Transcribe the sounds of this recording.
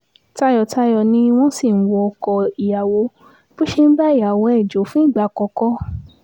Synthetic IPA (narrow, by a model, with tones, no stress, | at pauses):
ta˧˦jɔ˧ta˧˦jɔ˧nĩ˧˦w̃ɔ̃˦si˦˨n̩˦wɔ˧ɔ˧kɔ˧i˨ja˨wo˨˧˦ | b̥o˦ʃe˧n̩˦ba˦i˦˨ja˨wɔ̃˧ɛ˨d͡ʒo˨˦fũ˦i˦˨ɡ͡ba˨˧˨kɔ˧kɔ˦